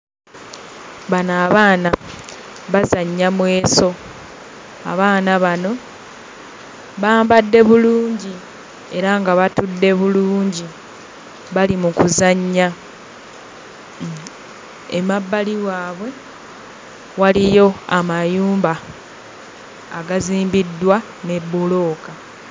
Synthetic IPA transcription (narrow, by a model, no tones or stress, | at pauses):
βanaːβaːna | βazaɲːamwe̞ːso̞ | a̰βaːnaβano̞ | βaːmbadːe̞βuluːɲɟi | e̞ɾaŋɡaβatudːe̞βuluːɲɟi | βalimukuzaɲːa | emabːaliwaːβwe̞ | walijo̞amajuːmba | a̰ɡaziːmbidːwa | nebːulo̞ːka